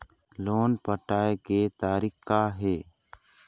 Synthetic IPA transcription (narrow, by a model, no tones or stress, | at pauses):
loːnpəʈaːekeːt̪aːɾikkːaːɦeː